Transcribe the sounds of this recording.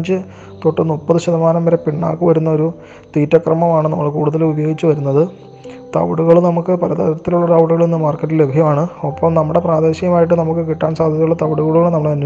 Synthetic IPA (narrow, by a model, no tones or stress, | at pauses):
d͡ʑɨ | t̪oʈːɐnupːɐðɨɕɐðɐmaːnɐmːɐɾepiɳːa̰ːkːɨʋɐɾunːɐo̞ɾu | t̪iːtːɐkrɐmɐmaːɳɨnɐmːɐɭkuːɽuðɐlubɐjo̞ːɡit͡ɕːɨʋɐɾunːɐðɨ | t̪ɐ̰ʋɐɽuɣɐɭnɐmukːɨpɐɾɐðɐ̰ɾɐt̪ːiluɭːɐɾɐwɽuɣɐɭenːɨmaːrkɐʈːille̞bʱjɐmaːɳɨɐpːɐmnɐmːuɽe̞praːd̪e̞ːɕɐjɐmaːjiʈːɨnɐmuk̬ːɨkiʈːaːnsaːd̪ʱjɐðijuɭːɐt̪ɐʋɐɽuɣɐɭuɭːɐnɐmːɐɽeɐn